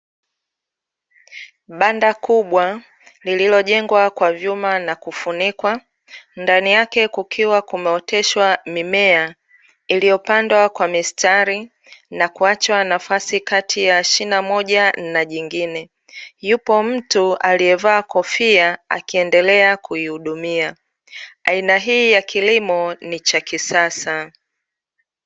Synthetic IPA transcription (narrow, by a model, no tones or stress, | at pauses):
ɓandakuɓwa | lililɔʄɛŋɡwakwavjumanakufunikwa | ndanijakɛkukʰiwakumɛɔtɛʃwamimɛa | ilijɔpandwakwamistaɾi | nakuat͡ʃwanafasikatʰijaʃinamɔʄanaʄiŋɡinɛ | jupɔm̩tualiɛvaːkɔfiaa̰kiɛndɛlɛakʰuihuɗumia | ainaɦiːjakʰilimɔnit͡ʃakisasa